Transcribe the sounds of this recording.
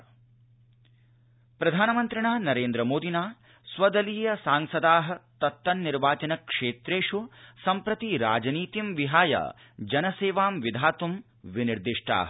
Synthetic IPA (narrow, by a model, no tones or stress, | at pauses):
pɾɐd̪ʱaːnɐmɐnt̪ɾɐɳaːnɐɾeːnd̪ɾɐmoːd̪ʱinaː | sʋɐd̪ɐliːjɐsaːŋsɐd̪aːɦɐ̆t̪ɐt̪ːɐnːiɾʋaːt͡ʃɐnɐkʂeːt̪ɾeːʂusɐmpɾɐt̪iɾa̰ːd͡ʒɐniːt̪imʋiɦaːjɐ̰ | d͡ʒɐnɐseːʋaːmʋid̪ʱaːt̪um | ʋiniɾd̪iʂʈa̰ːɦɐ